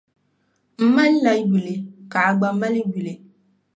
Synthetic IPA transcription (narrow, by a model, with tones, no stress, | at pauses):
m̩˦ma˦n˦la˨˦ɡi˨le˨ka˨a˦ɡ͡ba˦ma˦li˦ɡu˨le˨